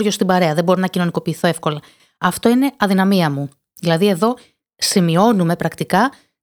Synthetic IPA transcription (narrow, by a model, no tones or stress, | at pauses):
ɾʝo̞st̪ibɐɾe̞ɐðebo̞ɾonɐcino̞niko̞piːθo̞e̞fko̞lɐ | ɐft̪o̞ine̞ɐðinɐmiɐmu | ðilɐðie̞ðo̞ | simio̞nume̞pɾɐkt̪ikɐ